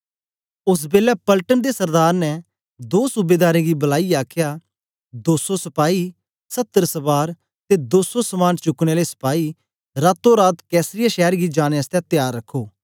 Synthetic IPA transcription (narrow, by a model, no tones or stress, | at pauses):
ʊs̬beːlɛpɐlʈənd̪esɐɾd̪aːɾnɛ | d̪oːsubeːd̪aːɾẽːɡibɐlaːiaːkʰja | d̪oːsosɐpaːi | sɐt̪ːəɾsɐbaːɾ | t̪ed̪oːsosəmaːnt͡ʃʊkɽ̃elesɐ̥paːi | ɾaːt̪ːoɾaːt̪kɛːsɾɪjaʃɛːɾɡid͡ʒaːñeəst̪ɛ̃t̪ɪjaːɾːɐkʰːoː